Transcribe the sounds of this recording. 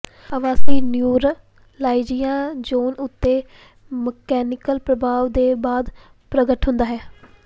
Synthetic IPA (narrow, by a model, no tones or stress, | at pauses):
əʋãːsiːnjuːɾ | laːid͡ʒijãːd͡ʒoːnʊt̪ːeː | məkɛːnɪkəlpɾəbʱaːʋd̪eːbaːd̪ | pɾəɡəʈɦʊnd̪aːɦɛː